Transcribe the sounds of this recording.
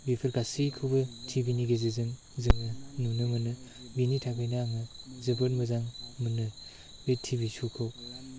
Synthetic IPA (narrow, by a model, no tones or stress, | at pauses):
bipʰɯɾkasikʰubɯtʰibʱiniɡezizɯŋ | zɯŋɯnunɯmɯnɯ | binitʰakʰɯjnaŋɯzɯbɯtmɯzaŋmɯnɯ | betʰibisʰukʰɯw